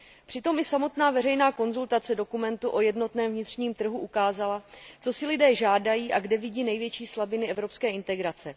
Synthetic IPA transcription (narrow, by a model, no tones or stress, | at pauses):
pr̥ɪt̪o̞mʔɪsamo̞t̪naːvɛrɛjnaːko̞nzult̪at͡sɛdokumɛnt̪uʔo̞jɛdno̞t̪nɛːmvɲɪt̪r̝ɲiːmt̪r̩ɦuʔukaːzalat͡so̞sɪlɪdɛːʒaːdajiːʔaɡdɛvɪɟiːnɛjvjɛt͡ʃiːslabɪnɪɛvɾo̞pskɛːɪnt̪ɛɡɾat͡sɛ